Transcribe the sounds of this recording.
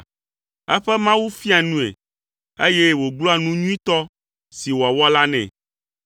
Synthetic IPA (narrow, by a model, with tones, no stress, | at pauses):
ɛ̰˦ɸɛ˦mã˦wu˦fi˦a˨nũ˦ḛ˨ | e˦je˦wo˨ɡ͡blɔ˦a˨nũ˦ɲũ˦ĩ˦t̪ɔ˦ | si˨wo˨a˨wɔ˦la˦nɛ̰̃˨